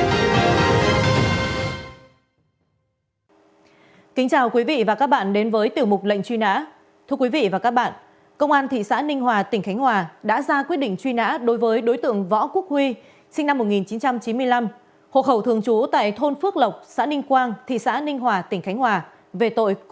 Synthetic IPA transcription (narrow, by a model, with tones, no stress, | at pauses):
kï˨˦ŋ̟t͡ɕaː˨˩wkwi˨˦vḭ˧˨vaː˨˩kaː˦˥k̚ɓa̰ː˧˨nɗe˨˦nvəː˨˦jt̪i˨˩əwmʊ˨˩k͡p̚lə̰˧˨jŋ̟t͡ɕwi˧na̰ː˧˥ | t̪ʰɨ˧əkwi˨˦vḭ˧˨vaː˨˩kaː˦˥k̚ɓa̰ː˧˨n | kə˧wŋ͡mʔaː˧nt̪ʰḭ˧˨sa̰ː˧˥nï˧ŋ̟ɦwaː˨˩t̪ï˧˩ŋ̟xa˨˦jŋ̟hwaː˨˩ɗa̰ː˧˥zaː˧kwi˦˥t̚ɗḭ˧˨ŋ̟t͡ɕwi˧na̰ː˧˥ɗo˨˦jvəː˨˦jɗo˨˦jt̪ɨ̰˧˨əŋvɔ̰˧˥ku˦˥ək̚hwi˧ | sï˧ŋna˧mːo˨˩t̚ŋi˨˩nt͡ɕi˨˦nt͡ɕa˧mt͡ɕi˨˦mɨ˧əjla˧m | ho̰˧˨xə˧˩wt̪ʰɨ˧˩əŋt͡ɕu˨˦t̪a̰ː˧˨jt̪ʰo˧nfɨ˦˥ək̚lə˨˩wk͡p̚sa̰ː˧˥nï˧ŋ̟kwaː˧nt̪ʰḭ˧˨sa̰ː˧˥nï˧ŋ̟ɦwaː˨˩t̪ï˨˩ŋ̟xa˨˦jŋ̟hwaː˨˩ | ve˨˩t̪o̰˧˨j